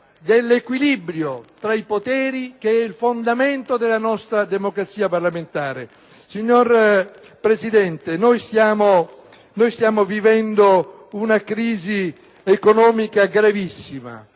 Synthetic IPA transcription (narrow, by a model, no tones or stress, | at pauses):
d̪elːekwilibɾjot̪ɾaipot̪ɛːɾikeɛilfond̪ament̪od̪elːanɔst̪ɾad̪emokɾat̪sːiːaparlament̪aːɾe | siɲːor | pɾesid̪ɛnt̪enojsjaːmo | nojst̪jaːmovivɛnd̪o | unakɾiːzi | ekonɔːmikaɡɾavisːima̰